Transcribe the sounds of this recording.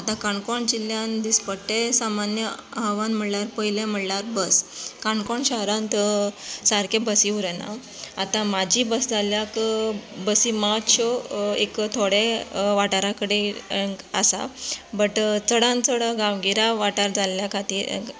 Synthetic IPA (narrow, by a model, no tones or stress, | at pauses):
at̪ãkaɳkɔɳd͡ʑiljãnd̪ispəɽʈesamanjəɦəʋãnm̤əɽlaɾpəjlem̤əɽlaɾbəskaɳkɔɳɕəɦɾãnt̪saɾkʰẽbəsiuɾəna̰ | a̰t̪ãmad͡ʑʱiːbəsd͡zʱaljakbəsimat̪ɕoḛkt̪ʰoɽeʋaʈaɾakəɽe | ə̰sa̰bəʈt͡səɽãnt͡səɽaɡaʋɡiɾaʋaʈaɾd͡zaljakʰat̪iːɾ